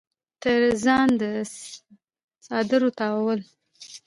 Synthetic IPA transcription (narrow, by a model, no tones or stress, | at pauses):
t̪əɾzɑnd̪ə | sɑd̪ɪɾot̪ɑwawəl